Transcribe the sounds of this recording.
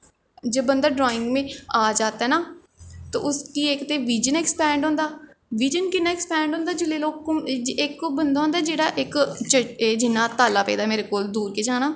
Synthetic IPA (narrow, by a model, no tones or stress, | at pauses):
d͡ʒeːbənd̪aːɖɾoːɪ̃ŋɡmẽːaːd͡ʒaːt̪ːɛːnaː | t̪o̰ːʔʊskiːekt̪eːʋiːd͡ʒənɛːkspɛːɳɖɦõːnd̪aː | ʋiːd͡ʒənkɪnːaːɛːkspɛ̃ːɳɖõːnd̪aːd͡ʒɪleːloːkːd͡ʒɪkbənd̪aːõnd̪aːd͡ʒeːɽaːʔɪkt͡ʃəeːd͡ʒɪnːãːt̪aːlaːpɛ̰ːd̪aːmeːɾeːkoːld̪uːɾkeːd͡ʒaːñaː